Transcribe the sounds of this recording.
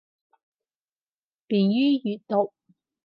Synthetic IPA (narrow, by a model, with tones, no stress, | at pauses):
piː˨njyː˥jyː˨t̪̚t̪o˨k̚